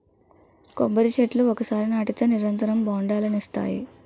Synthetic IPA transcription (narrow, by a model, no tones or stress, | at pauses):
kombɐɾit͡ʃeʈluɔkɐsaːɾinaːʈit̪ɐːniɾɐnt̪ɐɾɐmbaːɳɖaːlɐnist̪a̰ːjḭ